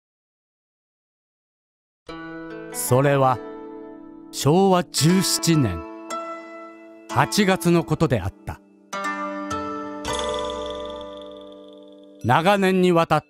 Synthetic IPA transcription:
so̞ɾe̞βa | ɕo̞ːβad͡ʑɨːɕi̥t͡ɕinẽ̞̰ŋ | hat͡ɕiɡat͡sɨno̞ko̞t̪o̞d̪e̞a̰t̪ːa | naɡanẽ̞ɲ̟ːiβat̪a

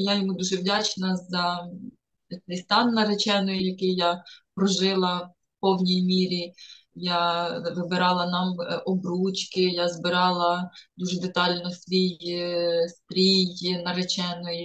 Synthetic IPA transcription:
jajɔmud̪uʒɛwdʲat͡ʃnɐzɐ | t̪ɛjst̪ɑnːɐɾet͡ʃɛnɔjijɐkɪjjapɾɔʒɪlˠɐ | pɔwnʲijmʲiɾʲijaʋɪbɪɾɑlˠɐnɑmʔɔbɾut͡ʃkɪjazbɪɾɑlˠɐd̪uʒɛd̪et̪ɑlʲnɔsʋʲij | st̪ɾʲijjnɐɾet͡ʃɛnɔji

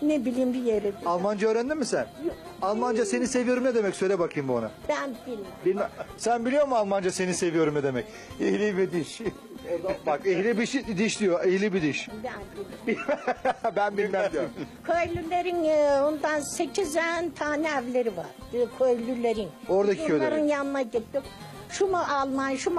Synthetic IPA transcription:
nebilʲiːmbijeɾɛd̪alˠmand͡ʒaøːɾænd̪imisænj | alˠmand͡ʒase̞nisevijo̞ɾumned̪emɛcsøjlʲɛbakʰɯjɯmbuana̰b̥ænbilʲmɛbilʲmæsænbilʲijoɾmualˠmand͡ʒasenise̞vijo̞ɾumnɛd̪emɛc | ehlʲibid̪iʃ | od̪abakehlʲibiʃd̪iʃd̪ijoʔehlʲibid̪iʃbænbbi | bænbilʲmæd̪ijokʰøjlʲylʲeɾinond̪anset͡ʃʰizænt̪ʰaːnɛævlʲe̞ɾiva̰ɾ̥kʰøjlʲylʲe̞ɾino̞ɾd̪akʰiøjlaɾɯnjanɯnaɟit̪ːɪm | ʃumuʔalˠmanʃum

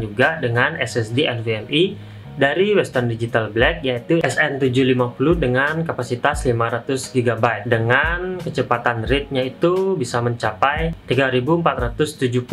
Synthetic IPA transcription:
d͡ʒuɡadəŋanɛsɛsdeʔɛnveɛmi | daɾiwɛst̪ərndid͡ʒit̪alblɛk̚jait̪uɛsɛnt̪ud͡ʒuhlimapuludəŋankapasit̪aslimaɾat̪ʊsɡiɡabat̪̚dəŋankət͡ʃəpat̪anrɪt̪̚ɲait̪ubisaməɲt͡ʃapajt̪iɡaɾibuəmpat̪ɾat̪ʊst̪ud͡ʒuhpu

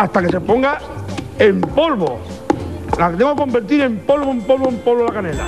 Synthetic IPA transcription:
ast̪ake̞se̞poŋɡa | empolβo | lakt̪eŋɡoako̞mbeɾt̪iɾe̞mpolβoempolβoempolβolakanela̰

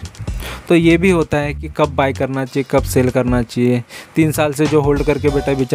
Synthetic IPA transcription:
t̪oːjeːbʱiɦoːt̪aɦɛkikɐb̚ːaːikɐɾnat͡ʃaːiekɐbseːlkɐɾnat͡ʃaːɦiet̪iːnsaːlsed͡ʒoːɦoːlɖkɐɾkebeːʈabɪːt͡ʃ

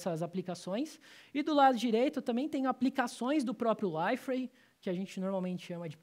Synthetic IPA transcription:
sɐzaplikasõj̃sɪd̪ʊlad̪ʊd͡ʒiɾejt̪ʊt̪ɐ̃mbẽj̃t̪ẽj̃ʊaplikasõj̃zd̪ʊpɾɔpɾjʊlajfɾej | kɪaʒẽnt͡ʃɪnoɾmawmẽnt͡ʃɪ̥ʃɐ̃mɐd͡ʒɪ

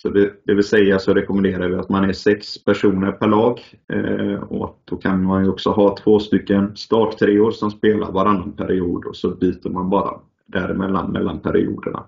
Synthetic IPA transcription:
sɔd̪ɛd̪ɛvɪlsɛjːasɔɾɛkɔmɛnd̪eːɾaɾvɪat̪manæsɛkspʰæʂuːnəɾpʰæɾɭɑːɡ | ɔ̰a̰t̪̚d̪̥ɔkʰanmanjɔksɔɦɑːt̪ʰv̥oːst̪ʏkːənst̪ɑːʈt̪ʰɾeːʊːɾsɔmspeːlʔa̰ɾvaɾanːanpʰæɾɪuːd̪ɔsɔbyːt̪əɾmanbɑːɾa̰ | d̪̥æɾmɛ̰lːa̰nmɛ̰lːanpʰæɾɪ̰ṵːd̪ə̰ɳa̰

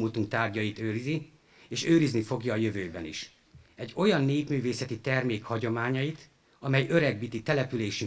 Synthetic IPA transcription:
mut̪uŋk̚t̪aːrɟɒjit̪øːɾizi | eːʃøːɾiznifo̞ɡjɒːjøvøːbɛniʃ | ɛɟːo̞jɒnːeːp̪myːveːsɛt̪it̪ɛrmeːkhɒɟo̞maːɲɒjit̪ | ɒmɛjø̞ɾɛɡ̚biːt̪it̪ɛlɛpyleːʃy

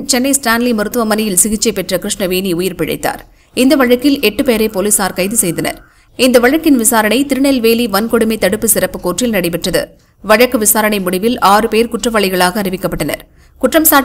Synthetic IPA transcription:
t͡ʃɛnːɐɪsʈaːnlimʊɾɯt̪ːɯʋɐmɐnɐjɪlsɪɣɪt͡ʃːɐɪpɛʈrɐkɾɪʂɳɐʋeːniʊjɪɾpɪɻɐ̰ɪt̪ːa̰ːɾ | ɪnd̪ɐʋɐɻɐkːɪlɛʈːɯpeːɾɐpoːlisaːɾkɐɪjðɯsɛjðɐnɐ̰ɾ | ɪnd̪ɐʋɐɻɐkːɪnʋɪsaːɾɐɳɐɪt̪ɪɾɯɳɐlʋeːliʋɐnkɔɽɯmɐɪt̪ɐɽɯpːɯsɪɾɐpːɯkoːʈrɪlnɐɽɐɪp̬ɛʈrɐðɯ̰ | ʋɐɻɐkːɯʋɪsaːɾɐɳɐɪmʊɽɪʋɪlaːrɯpeːɾkʊʈrɐʋɐɭɪɣɐɭaːɣɐːɾɪʋɪkːɐpːɐʈːɐnɐ̰ɾ | kʊʈrɐmsaː

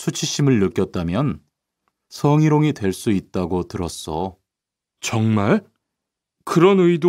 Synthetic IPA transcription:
sʰut͡ɕʰiɕʰimɯɭnɯk͈jʌt̚t͈amjʌn | sʰʌŋiɾoŋidwe̞ɭs͈uit̚t͈aɡotɯɾʌs͈ʌ | t͡ɕʌŋmaɭ | kɯɾʌnɯido

